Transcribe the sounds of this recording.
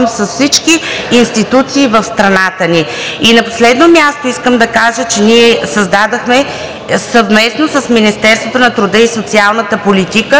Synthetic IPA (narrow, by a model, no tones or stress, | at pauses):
msəsfsit͡ʃkiːnst̪it̪ut̪siːvəfst̪ɾɐnat̪əni | inɐposlɛd̪nomʲjast̪oiskəmd̪ɐkaʒət͡ʃɛniɛsəzd̪ad̪əxmɛ | səvmɛsnosəsminist̪ɛɾst̪vot̪onɐt̪ɾud̪əisot̪sialˠnət̪əpolit̪ikə